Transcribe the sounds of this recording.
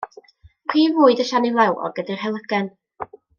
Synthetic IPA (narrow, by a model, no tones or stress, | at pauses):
pʰiːvʊːɨdəʃanilˠɛwɔ̰rɡədir̥ɦɛlˠəɡɛn